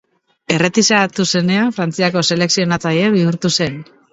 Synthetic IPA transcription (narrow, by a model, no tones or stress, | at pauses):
e̞re̞t̪isat̪use̞ne̞afɾant͡siako̞se̞le̞ksio̞nat͡sajeβiuɾt̪use̞n